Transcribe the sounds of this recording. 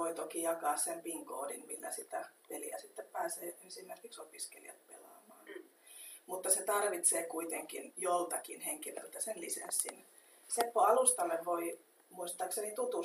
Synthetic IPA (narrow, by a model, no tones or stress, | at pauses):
oit̪okijɑkɑːssempiŋko̰ːdinmilːæ̰sit̪æpelḭæ̰sit̪ːeppæːseːensimːerkiksopiskelḭɑ̰t̪̚pḛlɑ̰ːmɑːn | mut̪ːɑset̪ɑrʋit̪seːkuit̪eŋkḭnjolt̪ɑkinheŋkilø̰lt̪æsenlisḛnsːin | sepːoɑlust̪ɑlːeʋʋoi | muist̪ɑːksenit̪ut̪u